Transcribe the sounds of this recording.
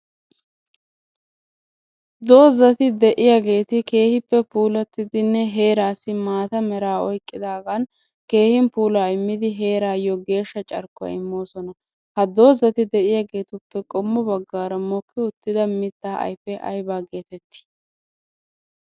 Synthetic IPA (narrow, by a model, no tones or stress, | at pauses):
d̪o̞ːzɐt̪ɪd̪ɛʔɪjaːɡe̞ːt̪ɪke̞ːhɪpːɛpuːlɐt̪ːɪd̪ɪnːɛɦe̞ːɾaːsːɪmaːt̪ɐmɛɾaːɔjkʼːɪd̪aːɡɐn | ke̞ːhɪmpuːlaːɪmːɪd̪ɪɦe̞ːɾaːjɔɡe̞ːʃːɐt͡ʃʼɐ̰ɾkːʊɐ̰ɪmːo̞ːsɔnɐ | hɐd̪o̞ːzɐt̪ɪd̪ɛʔɪjaːɡe̞ːt̪ʊpːɛkʼɔmːʊbɐɡːaːɾɐmɔkːɪʊt̪ːɪd̪ɐmɪt̪ːaːɐ̰jpːɛʔɐ̰jbaːɡe̞ːt̪ɛt̪ːɪ̥